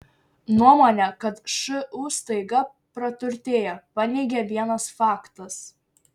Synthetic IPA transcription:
nuɔmoːnʲɛkɐt̪ʃɪʔuːst̪ɐɪɡɐ | pɾɐt̪ʲʊɾʲt̪ʲeːjɛpɐnʲɛɪɡʲɛʋʲiɛnɐsfɑːkt̪ɐs

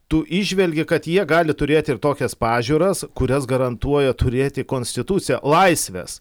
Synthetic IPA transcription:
t̪ʊʔɪʒʲʋʲɛlʲɡʲɪkɐt̪jiɛɡɑːlʲɪt̪ʊɾʲeːt̪ʲɪɪɾt̪oːkʲɛspɑːʒʲuːɾɐskʊɾʲɛsɡɐɾɐnt̪uɔjɛt̪ʊɾʲeːt̪ʲɪkoːnʲsʲt̪ʲɪt̪ʊt̪sʲɪjɛlˠɐɪsʲʋʲɛ̰s

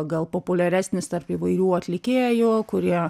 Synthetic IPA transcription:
ɡɐlˠpoːpʊlʲɛɾʲæːsʲnʲɪst̪ɐrpɪʋɐɪɾʲuːɐt̪ʲlʲɪkʲeːjʊkʊɾʲiɛ

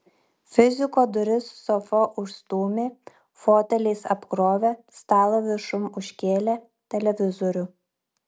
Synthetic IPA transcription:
fʲɪzʲɪkoːd̪ʊɾʲɪsːɔfɔʔʊʃst̪uːmʲeː | foːt̪ʲɛlʲeːsɐpkɾoːʋʲest̪ɑːlˠoʋʲɪʃʊmʊʃʲkʲeːlʲe | t̪ʲɛlʲɛʋʲɪzɔɾʲʊ

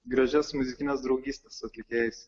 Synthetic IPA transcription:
ɡɾɐʒʲɛsmʊzʲɪkʲɪnʲɛsd̪ɾɒʊɡʲiːsʲt̪ʲɛsɐt̪ʲlʲɪkʲeːjɛsʲ

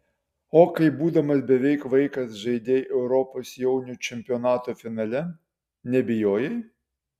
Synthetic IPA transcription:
oːkɐɪbuːd̪ɐmɐsbʲɛʋʲɛɪkʋɐɪkɐsʒɐɪd̪ʲeːjʔɛʊɾɔpoːsjɛʊnʲut͡ʃʲɛmʲpʲɪɔnɑːt̪oːfʲɪnɐlʲɛ | nʲɛbʲɪjoːjɛj

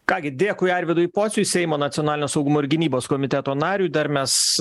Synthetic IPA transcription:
kɑːɡʲɪd̪ʲeːkʊɪɛɾʲʋʲɪd̪ʊipoːsʲʊsʲɛɪmoːnɐt̪sʲɪonɑːlʲɪnʲoːsɐʊɡʊmoːɪɾʲɡʲɪnʲiːboːskoɔmʲɪt̪ʲɛt̪oːnɑːɾʲuːd̪ɐɾmʲɛs

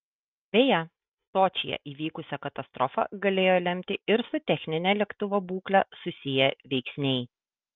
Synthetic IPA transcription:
bʲɛjɛ | soːt͡ʃʲɪ̰jɛ̰ʔiːʋʲiːkʊsʲɛkɐt̪ɐst̪ɾɔfɐ̰ɡɐlʲeːjoːlʲɛmʲt̪ʲɪɪɾsʊt̪ʲɛxʲnʲɪnʲɛlʲɛkt̪ʊʋobuːklʲɛsʊsʲɪjɛʋʲɛɪksʲnʲɛɪ

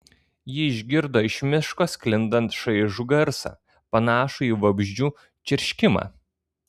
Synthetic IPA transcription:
jɪɪʒʲɡʲɪɾd̪oːɪʃʲmʲɪʃkoːsʲkʲlʲɪnd̪ɐnt̪ʃɐɪʒuɡɐɾsɑ̰ː | pɐnɑːʃuiːʋɐbʲʒʲd͡ʒʲuː | t͡ʃʲɪɾʲʃʲkʲɪmɑ̰ː

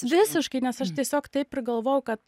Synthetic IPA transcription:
ʋʲɪsʲɪʃkɐɪnʲɛsɐʃt̪ʲiɛsʲoːkt̪ɐɪpʲɪɾɡɐlˠʋoːjɛʊkɐt̪

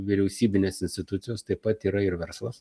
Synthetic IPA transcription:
ʋʲɪɾʲɛʊsʲiːbʲɪnʲeːsɪnʲsʲt̪ʲɪt̪ʊt̪sʲɪjoːst̪ɐɪpɐt̪iːɾɐɪɾʋʲɛɾslˠɐs

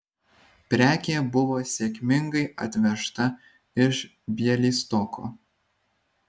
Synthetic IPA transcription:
pʲɾʲæːkʲeːbʊʋoːsʲeːkʲmʲɪŋɡɐɪʔɐ̰t̪ʲʋʲɛʃt̪ɐ | ɪʃ | bʲiɛlʲiːst̪ɔkʰo̰ː

